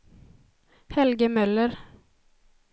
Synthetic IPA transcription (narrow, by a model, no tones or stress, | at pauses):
hɛlɡəmœlːəɾ